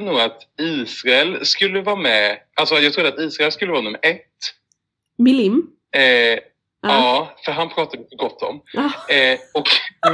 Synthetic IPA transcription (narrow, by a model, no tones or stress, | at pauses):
nuːɡat̪iːsɾaɛlskɵlːəvɑːmɛʔalsɔjɑɡt̪ɾʊd̪at̪iːsɾaɛlskɵlːəvɑːnɵmːə̰ɾʔɛt̪ː | mɪm | ɑːfœɾɦanpʰɾɑːt̪ad̪ɪt̪əɡɔt̪ʰːɔ̰m | ɔk